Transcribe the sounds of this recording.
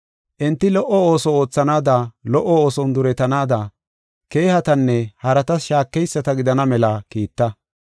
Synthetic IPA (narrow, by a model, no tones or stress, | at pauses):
ʔɛnt̪ːɪlɔʔːɔo̞ːsɔoːt͡sːɐnaːd̪ɐlɔʔɔo̞ːsɔnd̪ʊɾɛt̪ɐnaːd̪ɐ | ke̞ːhɐt̪ɐnːɛhɐɾɐt̪ɐsʃaːkːɛjsːɐt̪ɐɡɪd̪ɐnɐmɛlɐkiːt̪ːɐ